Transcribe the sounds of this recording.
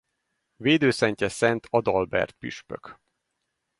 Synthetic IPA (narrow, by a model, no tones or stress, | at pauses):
veːd̪øːsɛɲcɛsɛnt̪ʰɒd̪ɒlbɛ̰rt̪̚pyʃpø̰k